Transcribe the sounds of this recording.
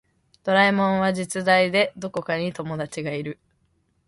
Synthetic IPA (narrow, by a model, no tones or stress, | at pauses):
d̪̥o̞ɾaimõ̞ɰ̃β̞aʑit͡sɨd̪aid̪e̞d̪o̞ko̞kaɲ̟it̪o̞mo̞d̪at͡ɕiɡaiɾɯ̟